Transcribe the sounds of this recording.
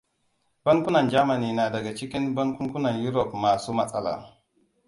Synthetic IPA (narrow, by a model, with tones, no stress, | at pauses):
ba˦nku˦na˨d͡ʒa˦ma˨ni˨na˨da˨ɡa˨t͡ʃi˦ki˦nba˦nku˦ku˦na˨nju˦ɾo˨pma˨su˦ma˦sa̰˨la̰˨